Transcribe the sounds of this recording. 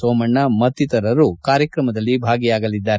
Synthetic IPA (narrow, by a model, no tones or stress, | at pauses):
soːmɐɳːɐmɐt̪ːit̪ɐɾɐɾukaːɾjɐkɾɐmɐd̪ɐlːibʱaːɡijaːɡɐlid̪ːaːɾe